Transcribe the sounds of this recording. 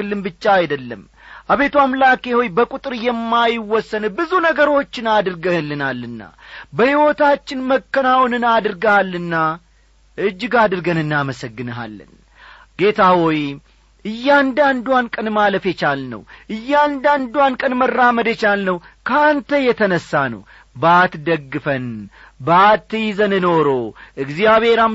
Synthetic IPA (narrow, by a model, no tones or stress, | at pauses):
ɨlːɨmbɨt͡ʃːaajd̪əlːə̰m | ʔaβe̞t̪wamlake̞ho̞jbəkʼut̪ʼɨɾjɛmːajɪwːɔsːənbɨzunəɡəɾo̞t͡ʃːɪnad̪ɨɾɡəlːɨnalːɨnːa̰bəhiwot̪at͡ʃːɪnməkːənawnɨnad̪ɾɡəalːɨnːa | ʔɨd͡ʒːɡad̪ɨɾɡənɨnːaməsəɡːɨnəɦa̰lːɨ̰n | ɡ̥e̞t̪ʰawoj | ʔɨjːand̪and̪uwankʼənmaləfjɛt͡ʃalnə̰wʔɨjːand̪and̪wankʼənmərːaməd̪ət͡ʃalnəw | kʰəant̪ʰəjɛt̪ʰənəsːanə̰w | bat̪d̪əɡːɨfən | bat̪ːɨjizənɨno̞ɾo̞ʔɨɡzijaβhe̞ɾam